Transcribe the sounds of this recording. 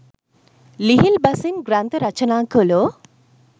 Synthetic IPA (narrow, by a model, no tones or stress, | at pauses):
liɦilbasinɡɾant̪əɾat͡ʃɔnaːŋkolo